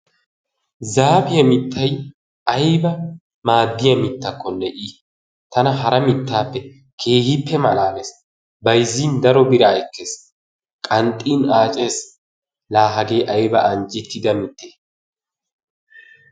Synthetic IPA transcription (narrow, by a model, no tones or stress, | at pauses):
zaːbɪjɐmɪt̪ːɐj | ɐjbɐ | maːd̪ːɪjɐmɪt̪ːɐkʰːɔnɛʔiː | t̪ɐnɐɦɐɾɐmɪt̪ːaːpːɛ | kʰe̞ːhɪpːɛmɐlaːmes | bɐjzːiːnd̪ɐɾɔbɪɾɐɛkːe̞ːs | kʼɐnt̪ʼːiːnaːt͡ʃʼeːs | laːɦɐɡe̞ːʔɐjbɐʔɐnt͡ʃʼːɪt̪ːɪd̪ɐmɪt̪ːeː